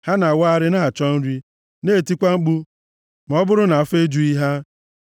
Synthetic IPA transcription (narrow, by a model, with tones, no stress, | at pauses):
ha˦na˨wa˦a˦ɾɪ˦na˦ɦa˨t͡ʃɔ˦n̩˦ɾi˦ | ne˦˨ti˦kʷa˦ŋ͡m̩˦k͡pu˦ | m˨ɔ˦bʊ˦ɾʊ˦na˨fe˦d͡ʒu˦i˦ɦa˦